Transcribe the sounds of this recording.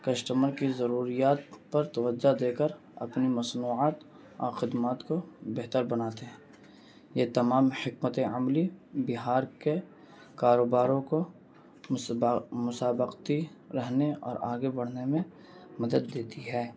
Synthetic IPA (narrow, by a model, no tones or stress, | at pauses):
kɐsʈəməɾkizɐɾuːɾijaːt̪pɐɾt̪ɐʋəd͡ʒːad̪eːkəɾ | ɐ̰pnimɐsnuːaːt̪ | ɔ̰ːɾxɪd̪maːt̪kobeɦt̪əɾbɐnaːt̪eɦɛ̃ | jet̪ɐmaːmhɪkmət̪eɐmlibɪɦaːɾke | kaːɾoːbaːɾõko | mʊsaːbəqt̪iɾɛɦneɔ̰ːɾaːɡebɐɽ̤nemẽ | mɐd̪əd̪ːeːt̪iɦɛː